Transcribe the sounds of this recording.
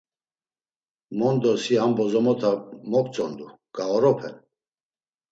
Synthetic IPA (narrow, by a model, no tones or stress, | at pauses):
mɔnd̪ɔsiambɔzɔmɔt̪ʰamɔk̚t͡sʼɔnd̪u | ɡ̥aɔɾɔpʰɛ̰n